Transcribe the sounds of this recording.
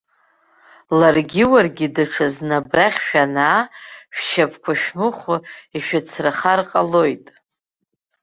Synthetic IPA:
larɡʲɪwarɡʲidɨʈ͡ʂʰaznabraχʲʃᶣanaːʃᶣʃapʰkʷʰaʃᶣmɨχʷʊiʃᶣat͡sʰraχarqʼalo̞jtʼ

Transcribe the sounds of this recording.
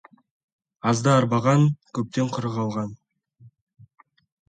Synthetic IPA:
ɑzd̪əɑɾbɑʁɑŋkʲʰɵp̚t̪e̞ɴqʰʊɾəʁɑlˠʁɑn

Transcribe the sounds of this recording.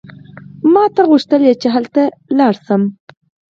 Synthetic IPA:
mɑːt̪aɣuʃt̪əljet͡ʃeɦəlt̪alɑɽsəm

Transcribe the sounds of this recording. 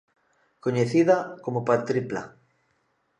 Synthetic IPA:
koɲeθiðakomopaɾt̪ɾipla̰

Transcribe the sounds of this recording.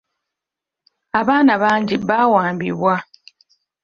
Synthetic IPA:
aβaːnaβaɲd͡ʒibawaːmbḭβwa

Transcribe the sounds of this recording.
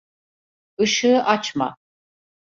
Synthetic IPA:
ɯʃɯːʔat͡ʃʰma̰

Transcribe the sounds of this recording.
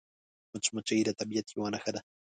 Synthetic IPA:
mat͡ʃmat͡ʃajɾat̪abjat̪ʰjiwanaxaɾa

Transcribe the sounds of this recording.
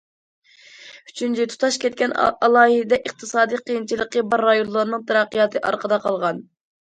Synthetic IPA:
y̥t͡ʃʰynt͡ʃʰit̪ʰu̥t̪ʰɑʃkʲɛt̪̚kʲɛnɑlˠɑːɦid̪ɛʔəqt̪ʰɨsɑːd̪iqʰijint͡ʃʰilˠəqːəbɑɾːɑjonlˠɨɾnɨŋt̪ʰæɾɑqːɨjɑt̪ʰɨʔɑ̰ɾqʰəd̪ɑqʰɑlˠʁɑn

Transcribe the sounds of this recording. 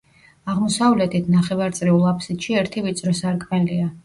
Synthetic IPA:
aʁmɔsavlɛt̪ʰit̪ʰnaχɛvaɾt̪sʼɾiulˠapʰsit̪ʃiɛɾt̪ʰivit̪sʼɾɔsaɾkʼmɛlia

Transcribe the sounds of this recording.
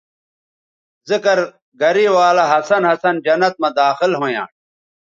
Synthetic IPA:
zikɐɾ | ɡɐɾiwaːlɐɦɐsɐnɦɐsɐnd͡ʑɐnɐt̪̚mɐd̪aːxilɦoːjã̰ː

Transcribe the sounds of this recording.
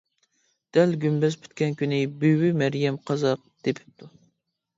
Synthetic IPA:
d̪̥ɛlɡʲymbɛsbʰy̥t̪̚kʲɛnkʲynɪbywɪmæɾjɛmqʰɑzɑq̚d̪̥epʰɪ̥p̚t̪ʰu

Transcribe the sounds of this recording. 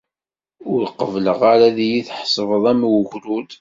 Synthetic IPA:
ʊɾqəvləʁaɾaðijiθħsˤəvəðˤæmwəʝɾud̪

